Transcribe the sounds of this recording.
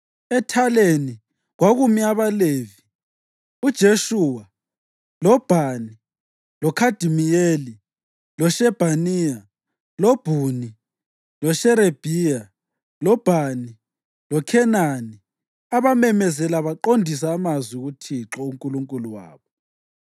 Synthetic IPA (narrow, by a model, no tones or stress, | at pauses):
ɛtʰaleni | ɣwaɣumiaβalevi | ud̥ʒ̥ʱeʃuwa | lɔb̥ʱani | lɔkʰad̥ʱimijeli | lɔʃɛb̥ʱanija | lɔb̥ʱuni | lɔʃɛɾeb̥ʱija | lɔb̥ʱani | lɔkʰɛnani | aβamɛmɛzɛlaβaǃondʱis̬aːmazwiɣutʰiǁɔuŋkʼuluŋkʼuluwa̰ːβɔ